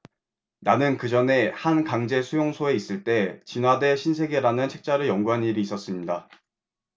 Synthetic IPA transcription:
nanɯnkɯd͡ʑʌne̞hankaŋd͡ʑe̞sʰujoŋsʰoe̞is͈ɯɭt͈e̞t͡ɕinwade̞ɕʰinsʰe̞ɡeɾanɯnt͡ɕʰe̞k̚t͡ɕ͈aɾɯɭjʌŋɡuɦaniɾiːs͈ʌs͈ɯmɲida

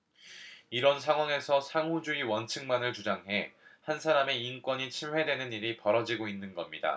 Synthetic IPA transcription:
iɾʌnsʰaŋwaŋe̞sʰʌsʰaŋɦud͡ʑuiwʌnt͡ɕʰɯŋmanɯɭt͡ɕud͡ʑaŋɦe̞hansʰaɾame̞ink͈wʌɲit͡ɕʰimwe̞dwe̞nɯniɾipʌɾʌd͡ʑiɡoinːɯnɡʌmɲida̰

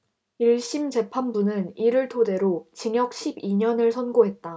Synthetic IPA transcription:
iɭɕ͈imd͡ʑe̞pʰanbunɯniɾɯɭtʰode̞ɾot͡ɕiŋjʌk̚ɕʰibiɲʌnɯɭsʰʌnɡoɦe̞t̚t͈a

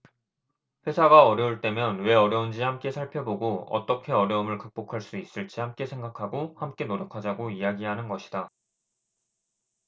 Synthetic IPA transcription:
ɸwe̞sʰaɡaʌɾjʌuɭt͈e̞mjʌnwe̞ʌɾjʌund͡ʑihamk͈e̞sʰaɭpʰjʌboɡoʌ̰t͈ʌkʰe̞ʌɾjʌɯmɯɭkɯk̚p͈okʰaɭs͈uis͈ɯɭt͡ɕ͈ihamk͈e̞sʰe̞ŋɡakʰaɡohamk͈e̞noɾjʌkʰad͡ʑaɡoiaɡiɦanɯnɡʌɕʰi̥da

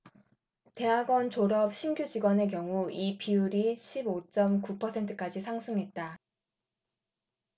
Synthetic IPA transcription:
te̞ɦaɡwʌnt͡ɕoɾʌp̚ɕʰinɡjud͡ʑiɡwʌne̞k̬jʌŋuipʰiuɾiɕʰibot͡ɕ͈ʌmkupʰʌsʰe̞ntʰɯ̥k͈ad͡ʑisʰaŋsʰɯŋɦe̞t̚t͈a

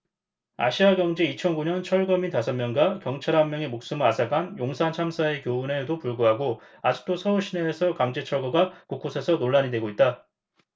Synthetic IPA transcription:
a̰ɕʰiaɡjʌŋd͡ʑeit͡ɕʰʌnɡuɲʌnt͡ɕʰʌɭɡʌmintasʰʌmmjʌŋɡakjʌŋt͡ɕʰaɾɦamːjʌŋemok̚s͈ɯmɯɭasʰaɡanjoŋsʰant͡ɕʰamsʰae̞kjoune̞dopuɭɡoɦaɡo | ad͡ʑik̚t͈osʰʌuɕʰineːsʰʌkaŋd͡ʑet͡ɕʰʌɭɡoɡakuk͈osʰe̞sʰʌnoɭːaɲidwe̞ɡoit̚t͈a

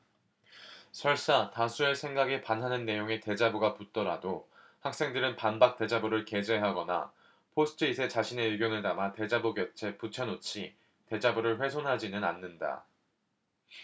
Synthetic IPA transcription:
sʰʌɭs͈atasʰue̞sʰe̞ŋɡaɡepanɦanɯnːe̞joŋe̞te̞d͡ʑabuɡaput͈ʌɾado | hak̚s͈e̞ŋdɯɾɯnpanbak̚t͈e̞d͡ʑabuɾɯɭke̞d͡ʑe̞ɦaɡʌna̰ | pʰosʰɯ̥tʰɯisʰe̞t͡ɕaɕʰine̞iɡjʌnɯɭnamate̞d͡ʑabuɡjʌt͡ɕʰe̞put͡ɕʰʌnot͡ɕʰi | te̞d͡ʑabuɾɯɭɸwe̞sʰonɦad͡ʑinɯna̰nːɯnda̰

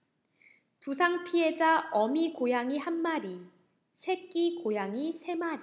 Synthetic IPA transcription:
pusʰaŋpʰie̞d͡ʑaʌmikojaŋiɦanmaɾi | sʰe̞k͈ikojaŋisʰe̞maɾi

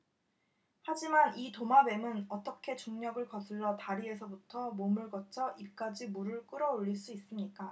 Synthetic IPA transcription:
had͡ʑimanitomabe̞mɯnʌt͈ʌkʰe̞t͡ɕoŋɲʌɡɯɭkʌsʰɯɭːʌtaɾie̞sʰʌbutʰʌmomɯɭɡʌt͡ɕʰʌʔip̚k͈ad͡ʑimuɾɯɭk͈ɯɾʌoʎːiɭs͈uis͈ɯmɲik͈a

